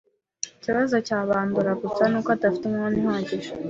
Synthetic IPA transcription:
ciβazocaːβaːnduɾakusanukatafi̥temŋaːnihaːciʃ

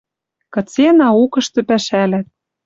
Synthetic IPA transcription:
kɤ̆t͡senɑukɤ̆ʃt̪ɤ̆pæʃælæt̪̚

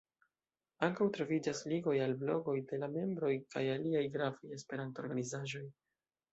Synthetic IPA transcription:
aŋkawtɾo̞vid͡ʒasliɡo̞jalblo̞ɡo̞jde̞lame̞mbɾo̞jka̰jaliajɡɾaveje̞spe̞ɾanto̞ɾɡanizaʒo̞j

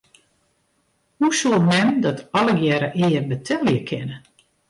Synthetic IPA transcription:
husulˠmɛmdɔtɔləɡjɛɾəʔɪːərbətʰɛlˠjəkʰɪnə

